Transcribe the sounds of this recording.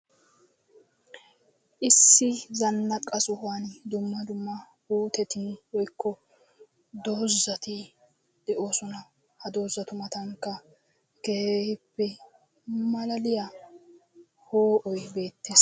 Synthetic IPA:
ʔɪsːɪzɐnːɐkʼːɐsʊhaːnd̪ʊmːɐd̪ʊmːɐ | huːt̪ɛt̪ɪnwɔjkːɔ | d̪oːzːɐt̪ɪ | d̪̥ɛʔo̞ːsɔnɐ | hɐd̪o̞ːzːɐt̪ʊmɐt̪ɐŋkːɐ | keeːhɪpːɛ | mɐlɐlɪjɐ | hoːʔɔjbe̞ːt̪ːeːs

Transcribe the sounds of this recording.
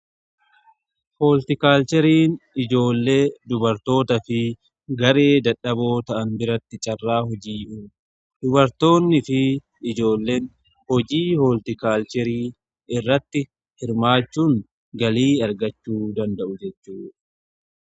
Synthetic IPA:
hoːlt̪ɪkaːlt͡ʃɛɾiːnɪd͡ʒo̞ːlːe̞ːd̪ʊbɐɾt̪o̞ːt̪ɐfɪ | ɡɐɾe̞ːd̪ɐᶑɐbo̞ːt̪ɐʔɐnbɪɾɐt̪ːɪt͡ʃʼɐrːaːhɔd͡ʒiːʔuː | d̪̥ʊbɐɾt̪o̞ːnːɪfɪ | ɪd͡ʒo̞ːlːe̞ːn | hɔd͡ʒiːhoːlt̪ɪkaːlt͡ʃɛɾiː | ɪrːɐt̪ːɪ | hɪɾmaːt͡ʃːuːŋ | ɡɐliːɐɾɡɐt͡ʃːuːd̪ɐnd̪ɐʔʊd͡ʒɛt͡ʃːuːᶑ

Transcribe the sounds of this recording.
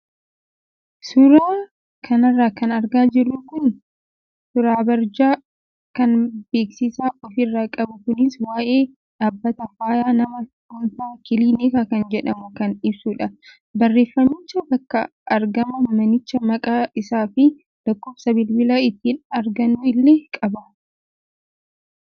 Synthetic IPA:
sʊɾaː | kʰɐnɐrːaːkɐnɐɾɡaːd͡ʒɪrːʊːkʊn | sʊɾaːbɐɾd͡ʒaː | kɐnbe̞ːksɪsaːɔfɪrːaːkʼɐbʊkʊnɪswaːʔe̞ː | ᶑaːbːɐt̪ɐfaːjaːnɐmɐkʊnfaːkɪliːneːkakɐnd͡ʒɛᶑɐmʊkɐnᶑɪbsuːᶑɐ | bɐrːe̞ːfːɐmːɪt͡ʃːɐbɐkːɐ̰ | ʔɐɾɡɐmɐmɐnɪt͡ʃːɐmɐkʼaːɪsaːfɪ | d̪̥ɐkːɔːbsɐbɪlbɪlaːɪt̪ːiːnɐɾɡɐnːuɪlːeːkʼɐbɐ

